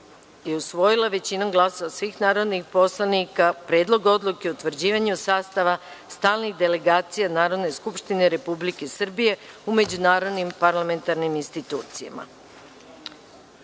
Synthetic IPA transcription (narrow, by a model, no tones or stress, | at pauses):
jeusʋo̞jilˠaʋe̞t͡ɕinaɡlˠasoʋasʋixnaːɾo̞d̪nixpo̞slˠanikapɾe̞d̪lˠo̞ɡo̞d̪lˠuke̞ut̪ʋr̩d͡ʑiːʋaɲusaːst̪aʋa | st̪aːlˠniɣd̪e̞le̞ɡaːt̪sijanaːɾo̞d̪ne̞skupʃt̪ineɾe̞publike̞sr̩bije̞ume̞d͡ʑunaːɾo̞d̪nimpaɾlame̞nt̪aɾniminst̪it̪uːt̪sija̰ma̰